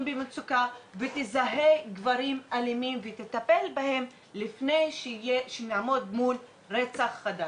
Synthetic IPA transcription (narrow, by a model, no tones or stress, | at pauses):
bemet͡sukavet̪izaɦeɡvaɾimalimimvet̪et̪ape̞lbahe̞m | lifnejʃjeʃenaʕmo̞d̪mul | ʁet͡saχːad̪a